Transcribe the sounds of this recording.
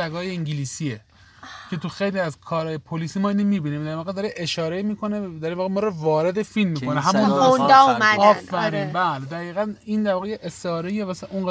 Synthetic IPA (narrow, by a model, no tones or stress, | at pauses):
æɡɒːjeiɲɟiliːsie | cʰe̞t̪ʰuxejliæzkʰɒːɾɒːjepʰoliːsimɒːiːnimiːbiːniːmd̪æɾvɒːɣed̪ɒɾeʔeʃɒːɾeimiːkʰo̞ned̪æɾinvɒːɣemɒːɾɔvɒːɾe̞d̪e̞filmːiːkʰoneɦæmunond̪ɒumæɒːfːæɾiːnbæːled̪æɣiːɣænind̪æɾvɒːɣejeʔest̪eɒːɾejemæsæuŋɡæ